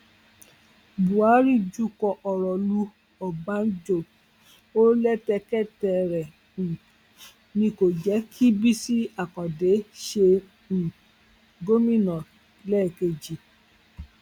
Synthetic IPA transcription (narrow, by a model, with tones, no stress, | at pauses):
bu˨a˨˦ɾi˦˨d͡ʒu˦kɔ˧ʔɔ˨ɾɔ˨lu˧ | ɔ˨bã˨˦n˦d͡ʒo˦˨ | o˦lɛ˦tɛ˧kɛ˦tɛ˧˨ɾɛ̃˨ | nĩ˧ko˨d͡ʒɛ˨˦kʰi˦bi˦si˦a˨kɔ̃˨de˨˦ʃe˧˨ | ɡo˦mĩ˦˨nɔ̃˨ | lɛ˦˨ke˧d͡ʒi˨